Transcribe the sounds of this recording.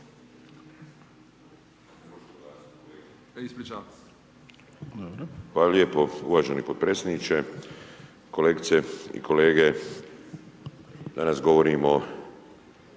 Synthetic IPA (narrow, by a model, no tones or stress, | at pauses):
ot̪oɡlaːskoleɡ | isplit͡ʃa | bɾxʋaːlaljepoṵʋaːʒenipod̪̚pɾeːsʲjenit͡ʃe | ko̞leːɡit̪seḭkʰo̞leːɡe | d̪anasɡo̞ʋoɾimo